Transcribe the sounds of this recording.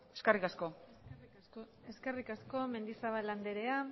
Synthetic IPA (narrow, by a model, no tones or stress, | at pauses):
eskarikasko̞ | e̞skerikasko̞me̞nd̪isaβalːand̪eɾe̞a